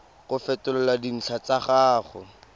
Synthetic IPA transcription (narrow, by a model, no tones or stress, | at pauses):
χʊfɛtʊlʊladin̩ɬʰat͡saχaːχʊ̰